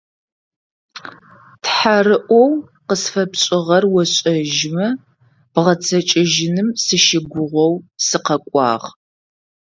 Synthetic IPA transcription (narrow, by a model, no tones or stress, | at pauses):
tħarɨʔʷɔw | qəsfɐpɕʼɪʁɐrwɔɕʼɐʒmɐ | b̥ʁɐt͡sʰɐt͡ʃʼɪʒɪnɨmsɨʃɪɡʷʊʁʷɔwsɨqɐkʷʼɑ̰ːʁ